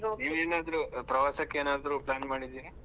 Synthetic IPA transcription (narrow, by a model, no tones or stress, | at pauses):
niːʋeːnaːd̪ɐɾupɾɐʋaːsɐkːeːnaːd̪ɐɾuplaːnmaːɽid̪iːɾi